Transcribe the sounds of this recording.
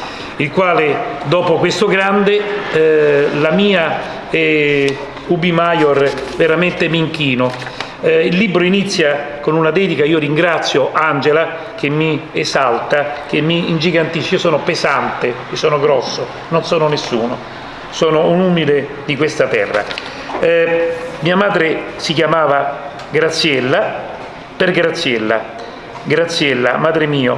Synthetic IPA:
ilkwaːled̪ɔːpokwest̪ʊɡɾand̪e | lamiːa | ɛ | ubimajorveɾament̪emiːŋkiːno | ilːibɾoinit̪sːja | konunad̪ɛːd̪ikaiːoɾiŋɡɾat̪sːjoʔand͡ʒela | kemːiezalt̪ak̟emːiind͡ʒiɡant̪iʃiosɔːnopezant̪eesɔːnoɡɾɔsːo | nonsɔːnonesːuːno | sɔːnounuːmile | d̪ikwest̪at̪ɛ̰rːa̰ | miːamaːd̪ɾesikjamaːva | ɡɾat̪sːjɛlːa | perɡɾat̪sːjɛlːa̰ | ɡɾat̪sːjɛlːamaːd̪ɾemiːo

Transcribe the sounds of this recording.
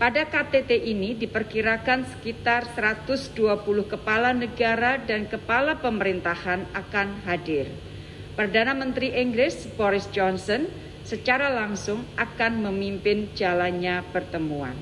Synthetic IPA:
padakat̪et̪eʔinidipərkiɾakansə̥kit̪arsəɾat̪ʊsduapulʊhkəpalanəɡaɾadankəpalapəməɾint̪ahanakanɦadɪr | pərdanamənt̪ɾiʔɛŋɡɾɪs | bɔɾɪsd͡ʒɔnsɔn | sət͡ʃaɾalaŋsʊŋʔakanməmimpɪnd͡ʒalanɲapərt̪əmua̰n

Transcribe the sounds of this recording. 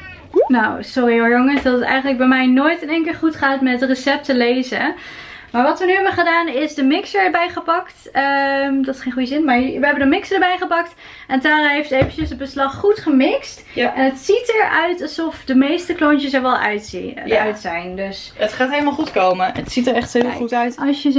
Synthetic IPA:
nawsɔrioɹjoŋəsdɑtətɛ̰jχənləɡ̚bɛjmɛjnoːjtəneŋkəlˠχutχaːtmɛttrəsɛp̚təlejzə | maːɹʋɑtʋənyɦɛbəχədaːnɪzdəmɪksəɹbɛjχəpɑkt | əmdɑtχejnχujəzɪnmaːɹʋəɦɛbəndəmɪksədəɹbɛjχəpɑkt | ɛntaːrɦejftəejvənt͡ʃəsəd̚bəslɑχːutχəmɪkst | ɛnətsitəɹœɥtɑlˠzɔfdəmejstəklɔnt͡ʃəsəɹʋɛlˠœ̰ɥtœɥtsɛjndɵs | ətχaːtɦejləmaːlˠχutkowməətsitəɹɛχtɪutœɥtɑsjə

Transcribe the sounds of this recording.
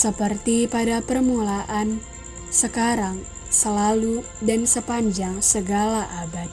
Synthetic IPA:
səpərt̪ipadapərmulaʔan | səkaɾaŋ | səlalu | dansəpaɲd͡ʒaŋsəɡalaʔabat̪̚

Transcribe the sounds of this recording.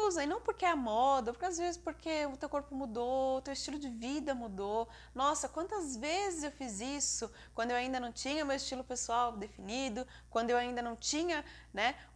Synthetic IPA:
uzɐnɐ̃w̃poɾkeɛɐmɔd̪ɐpoɾkeazvezɪspoɾkʰeʊt̪ewkoɾpʊmud̪oʊt̪ewɪst͡ʃilʊd͡ʒɪvid̪ɐmud̪o | nɔsɐkwɐ̃nt̪ɐzvezɪzewfizisʊ | kwɐ̃d̪ʊewaĩnd̪ɐnɐ̃w̃t͡ʃĩɲɐmewɪst͡ʃilʊpesuawd̪efinid̪ʊ | kwɐ̃d̪ʊewaĩnd̪ɐnɐ̃w̃t͡ʃĩɲɐ | nɛ

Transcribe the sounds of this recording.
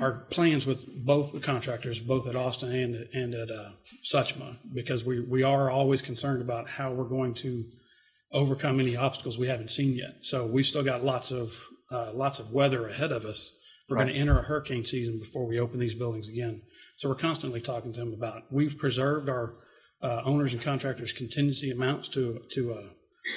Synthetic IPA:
ʔə˞pʰl̥æ̃nzwəðboʊθðəkʰɑ̃ntʰɹ̥æk̚tə˞zboʊθɨɾɔstɨ̃nɨ̃nɨ̃nɨtsʌt͡ʃmə̰bɨkʰʌzwiwiə˞ɔlˠwiz̥kʰn̩sɜ̃˞ndəbaʊt̚haʊwɪɹɡoʊɪ̃ŋtʰɨ | oʊvə˞kʰʌ̃mɛniɑb̥stə̥kl̩ˠzwihæṽn̩tsĩnjɛ̰t̚soʊwiv̥stɪlˠɡɑtˡlɑtsʌvlɑtsʌvwɛðə˞ɨhɛɾʌvʌs | wəɹʌ̃nɨʔɛ̃ɾ̃ə˞ɨhɜ˞kʰẽɪ̃nsizɨ̃n̩bɨfɔɹwioʊpn̩ðizbɪlˠdɪ̃ŋzɨɡɛ̃nsoʊwəɹkʰɑ̃nstɨ̃nʔlitʰɔkɪ̃ŋtʰɨðə̃məbaʊt̚wiv̥pʰɹ̥ɨzɜ˞vdaʊə˞ | ʔõʊ̃nə˞zɨ̃n̩kʰɑ̃ntɹ̥æk̚tə˞z̥kʰn̩tʰɪ̃njɨsiɨmãʊ̃ntstʰɨtʰɨ

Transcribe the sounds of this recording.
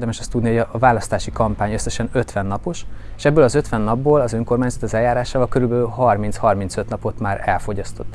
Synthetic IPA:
rd̪ɛmɛʃɒst̪ːud̪nihoɒvaːlɒst̪aːʃikɒmpaːɲøsːɛʃɛnø̞t̪ʋɛnːɒpo̞ʃ | ʃɛbːøːlɒzøt̪ʋɛnːɒbːoːlɒzøŋko̞rmaːɲzɒt̪ɒzɛlːaːɾaːʃaːvɒlkøɾylbɛlyɦɒrmint̪shɒrmint̪sø̞t̪nɒpo̞t̪maːɾɛ̰lfo̞ɟɒst̪o̞t̪ː

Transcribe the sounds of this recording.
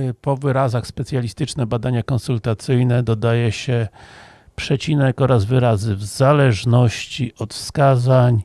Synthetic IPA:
pɔvɘɾazaxspɛt̪sʲjalʲist̪ɘt͡ʂnɛbad̪aɲakɔnsult̪at̪sɘjnɛd̪ɔd̪ajɛɕɛ | pʂɛt͡ɕinɛkɔɾazvɘɾazɘvzalɛʐnɔɕt͡ɕiʔɔt̪fskazaɲ

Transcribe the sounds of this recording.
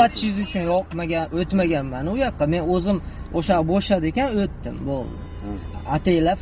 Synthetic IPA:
at̪ʰɪ̥ʃɪzʊt͡ʃʰʊnjɒqmaɡʲaot̪maɡʲanmanɪʊjɑqʰːɑme̞nɵzɪm | oʃaɾboʃlad̪ɪe̞kʲanɵt̪ːɪmbolˠd̪ɪ | at̪ʰe̞jla

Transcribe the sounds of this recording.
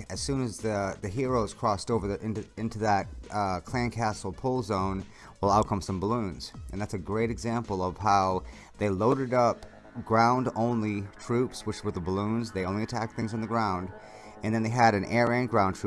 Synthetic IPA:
ɨz̥sʉ̃nɨzðɨðɨɦiɹoʊz̥kʰɹ̥ɔstoʊvə˞ðʔɪ̃nɪ̃ntʉðət̚kʰl̥æ̃nkʰæsl̩ˠpʰʊlˠzõʊ̃n | wəlˠaʊt̚kʰʌ̃msʌ̃mbəlũnz̥ʔɨ̃nðætsɨɡɹeɪɾɨɡzæ̃mpl̩ˠʌv̥ɦaʊ | ðeɪloʊɾə˞ɾʌp̚ | ɡ̥ɹãʊ̃ndõʊ̃nlitʰɹ̥ʉpswət͡ʃwə˞ðəbəlũnzðeɪõʊ̃liɨtʰæk̚θɪ̃ŋzn̩ðɨɡɹãʊ̃nd | ɨ̃nðɨ̃nðeɪɨɾɨ̃nɛɹæ̃nɡɹãʊ̃ntʰɹ̥ʉ

